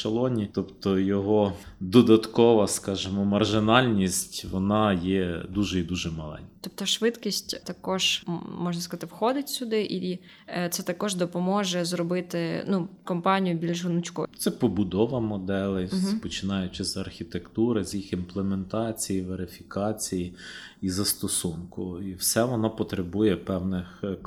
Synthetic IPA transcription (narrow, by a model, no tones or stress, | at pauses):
ʃɐlˠɔnʲit̪ɔpt̪ɔjɔɦɔ | d̪ɔd̪ɐt̪kɔʋɐskɑʒemɔmɐrʒɪnɑlʲnʲisʲtʲʋɔnɑjɛd̪uʒɛid̪uʒɛmɐlˠɛ̰nʲt̪ɔp̚t̪ɔʃʋɪt̪kʲisʲtʲt̪ɐkɔʒmɔʒnɐskɐzɑt̪ɪwxɔd̪ɪtʲsʲʊd̪ɪʔi | t̪sɛt̪ɐkɔʒd̪ɔpɔmɔʒɛzrɔbɪt̪ɪnukɔmpɑnʲijʊbʲilʲʒʊnʊt͡ʃkɔt̪sɛpɔbʊd̪ɔʋɐmɔd̪ɛlˠɪspɔt͡ʃɪnɑjʊt͡ʃɪzɐrxʲit̪ekt̪uɾɪzjixinplˠement̪ɑt͡sʲijiʋeɾɪfʲikɑt͡sʲiji | izɐst̪ɔsunkʊiwsɛʋɔnɔpɔt̪ɾebujɛpɛwnɪx